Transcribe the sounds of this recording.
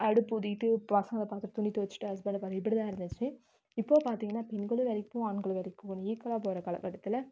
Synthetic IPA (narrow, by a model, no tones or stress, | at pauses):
ɐɽɯpːʊðɪʈ̪ːɯɐsɐ̃ɐd̪ɐpaːɾt̪ɯɾɐt̪ʊnɪt̪ːɯʋɐt͡ʃːɯ̥ʈːɯɦɐsbɐnɖɯpaːɾɯ̃ɪpːɐɽit̪ãːɪɾɯnd̪ɯt͡ʃːɯ | ɪpːoːpaːɾt̪iːŋɡɐnːaːpɛnɡɐɭɯʋɛɾɪkːʊ̃ːanɡɐɭɯʋɛɾɪkːũniːkːɐɭaːp̬oːɾɐkɐlɐ̰kːɐʈːɐt̪ːɪlɐ